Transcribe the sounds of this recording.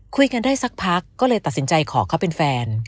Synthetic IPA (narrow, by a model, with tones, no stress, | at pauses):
kʰu˧jka˧ndaː˥˩jsa˦˥k̚pʰa˦˥kːɔː˥˩lɤː˧jt̪a˨˩t̪si˩˦nt͡ɕa˧jkʰɔː˩˦kʰa˥˩pe˧nfɛː˧n